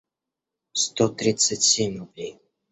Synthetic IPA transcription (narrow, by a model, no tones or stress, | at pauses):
st̪ot̪ɾʲit̪sətʲsʲemʲrʊblʲej